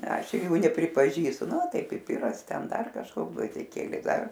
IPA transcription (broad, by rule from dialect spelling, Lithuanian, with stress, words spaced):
ˈɐʃ ˈjuː nʲɛpʲrʲɪpɐˈʒʲiːstʊ ˈnʊ ˈtɐɪ pʲɪˈpʲɪrɐs ˈtʲɛn ˈdɐr kɐʃˈkoːks ɡʋɐzʲdʲɪˈkʲeːlʲɛɪ ˈdɐr